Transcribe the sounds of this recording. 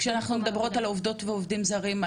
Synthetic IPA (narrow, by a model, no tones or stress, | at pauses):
kʃeanaχnumed̪abʁo̞talovd̪o̞tveovd̪imzaʁim